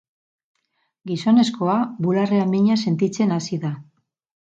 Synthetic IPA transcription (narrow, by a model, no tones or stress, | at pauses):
ɡiso̞ne̞sko̞aβulareamiɲase̞nt̪it͡se̞nasiða